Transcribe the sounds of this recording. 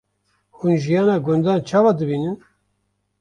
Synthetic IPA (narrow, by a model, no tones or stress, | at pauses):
hunʒijɑːnɑːɡʊnd̪ɑːnt͡ʃʰɑːvɑːd̪ɨbiːnɨn